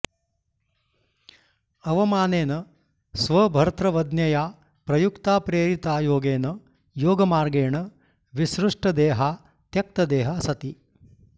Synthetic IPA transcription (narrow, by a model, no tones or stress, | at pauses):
ɐʋɐmaːneːnɐ | sʋɐbʱɐɾt̪ɾɐʋɐd̪njɐjaː | pɾɐjukt̪aːpɾeːɾit̪aːjoːɡeːnɐ | joːɡɐmaːɾɡeːɳɐ | ʋisɾuʂʈɐd̪eːɦaː | t̪jɐk̚t̪ɐd̪eːɦaːsɐt̪i